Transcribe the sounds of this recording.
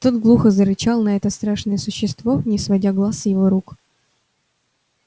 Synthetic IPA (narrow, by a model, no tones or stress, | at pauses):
t̪ot̪ɡlˠuxəzəɾɨt͡ɕalˠnɐɛt̪əst̪ɾaʂnəjəsʊɕːɪst̪vo̞nʲɪsvɐdʲaɡlˠasjɪvo̞ɾuk